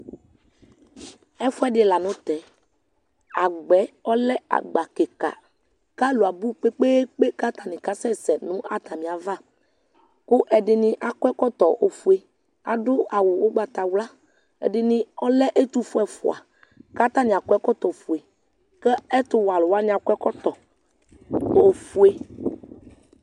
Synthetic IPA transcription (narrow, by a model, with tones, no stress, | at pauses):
ɛ˦fu˦ɛ˦ɖɪ˨la˨nʊ̃˦t̪ɛ˨ | a˨ɡ͡bɛ˨˦ɔ˦lɛ˦a̰˨ɡ͡ba˨ke˨ka̰˨ | ka˦lo˨a˨bu˦k͡pe˦k͡pe˦k͡pe˦ka˦t̪a˨nĩ˨ka˦sɛ˦sɛ˨nũ˦ʔa̰˦t̪a˨mĩ˨a˨va˦˨ | kʊ˦ʔɛ˨ɖɪ˨nĩ˨ʔa˨kɔ˦ɛ˦kɔ˦t̪ɔ˨ʔo˨fu˨e˨ | a̰˨ɖʊ˦a˨wʊ˨wo˦ɡ͡ba˨t̪a˨wla˦ | ɛ̰˨ɖɪ˨nĩ˨ɔ˦lɛ˦ʔe˦t̪u˦fu˦ɛ˨fṵ˨a̰˨ | ka˦t̪a˦nĩ˨a˨kʷɛ˦kɔ˦t̪ɔ˨fu˨e˨ | kɛ˦ɛ˦t̪ʊ˦wa˨lʊ˨wa˦ɲĩ˦a˨kʷɛ˦kɔ˦t̪ɔ˨ | o˨fu˦e˦